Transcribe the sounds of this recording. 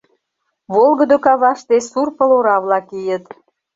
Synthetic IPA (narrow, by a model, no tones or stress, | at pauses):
βolɣəd̪okɑβɑʃt̪esurpə̆loɾɑβlɑkijət̪